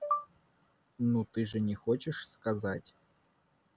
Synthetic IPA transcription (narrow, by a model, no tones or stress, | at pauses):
nut̪ɨʐɨnʲɪxot͡ɕɪʂskɐzatʲ